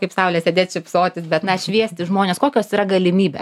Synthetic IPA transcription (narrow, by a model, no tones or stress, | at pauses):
kɐɪpsɐʊlʲeːsʲeːd̪ʲeːt̪ʲt͡ʃʲɪpsoːt̪ʲɪsbʲɛt̪nɐʃʲʋʲiɛsʲt̪ʲɪʒmoːnʲeːskoːkʲoːsiːɾɐɡɐlʲɪmʲiːbʲḛs